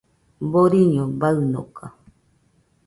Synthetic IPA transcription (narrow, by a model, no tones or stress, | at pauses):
boɾiɲõbaɨnõ̰kʰa